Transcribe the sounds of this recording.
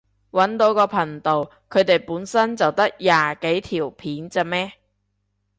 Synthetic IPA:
wɐ˨˥nt̪o˨˥wkɔː˧pʰɐ˨˩ŋt̪o˨w | kʰɵ˨˧ɥt̪e˨jpuː˨˥nsɐ˥nt͡sɐ˨wt̪ɐ˥k̚jaː˨˩ke˨˥jt̪ʰiː˨˩wpʰiː˨˥nt͡saː˨˧mɛː˥

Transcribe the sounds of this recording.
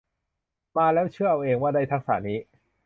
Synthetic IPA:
maː˧lɛː˦˥wt͡ɕʰɯ˥˩ɐʔa˧wʔeː˧ŋwaː˥˩da˧jt̪ʰa˦˥k̚sa̰ː˩˦niː˦˥

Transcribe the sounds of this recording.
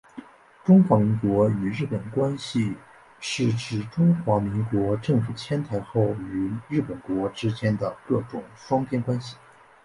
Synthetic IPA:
ʈ͡ʂʊ˥ŋxwa˧˥mi˧˥ŋkwɔ˧˥y˨˩ɻɻ̩˥˩pə˨˩nkwa˥nɕi˨˧ | ʂɻ̩˥˩ʈ͡ʂɻ̩˧˩ʈ͡ʂʊ˥ŋxwa˧˥mi˧˥ŋkwɔ˧˥ʈ͡ʂɤ˥˩ŋfu˨˩t͡ɕʰjɛ˥nt̪ʰa˧˥ɪxo˥˩ʊy˨˩ɻɻ̩˥˩pə˨˩nkwɔ˧˥ʈ͡ʂɻ̩˥t͡ɕjɛ˥nd̪ə˨kɤ˥˩ʈ͡ʂʊ˨˩ŋʂwɑ˥ŋpʰjɛ˥nkwa˥nɕi̥˨˩

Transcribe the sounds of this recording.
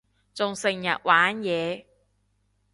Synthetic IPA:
t͡sʊ˨ŋsɪ˨ŋjɐ̰˨t̚waː˨˥njɛː˨˧

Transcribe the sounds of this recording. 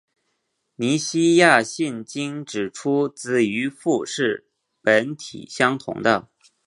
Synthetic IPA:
ni˧˥ɕi˥ja˥˧ɕi˥˩nt͡ɕi˥ŋʈ͡ʂɻ̩˨˩ʈ͡ʂʰu˥t͡sɹ̩˥˩y˧˥fu˥˧ʂɻ̩˥˩ | pə˧˥nt̪ʰḭ˨˩ɕjɑ˥ŋt̪ʰʊ̰˧˥ŋd̪ə˧

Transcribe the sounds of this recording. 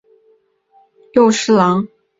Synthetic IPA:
jo˥˧ʊʂɻ̩˥˩lɑ˧˥ŋ

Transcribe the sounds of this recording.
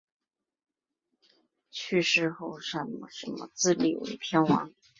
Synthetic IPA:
t͡ɕʰy˥˧ʂɻ̩˥˧xo˥˩ʊʂə˧˥nmə˧˩ʂə˧˥nmə̰˧t͡sɹ̩˥˧lḭ˨˩wḛ˧˥ɪpʰjɛ˥nwɑ̰˧˥ŋ

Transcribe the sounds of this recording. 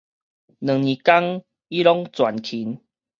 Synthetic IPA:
nə˨˩ŋnĩ˨ka˦ŋ | i˦lɔ˦ŋt͡swa˨˩nkʰi˨˦n

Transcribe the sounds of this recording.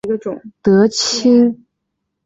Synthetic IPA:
ə˧ʊ˨˩˦ŋt̪ɤ˧˥t͡ɕʰi˥ŋ

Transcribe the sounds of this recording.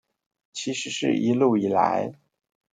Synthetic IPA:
t͡ɕʰi˧˥ʂɻ̩˧˥ʂɻ̩˥˩ʔi˧˥lu˥˩i˨˩la̰˧˥ɪ

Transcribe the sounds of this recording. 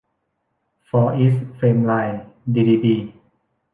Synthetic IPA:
fɔː˧ʔi˦˥sfeː˧mlaː˧jdi˧diː˧piː˧˩

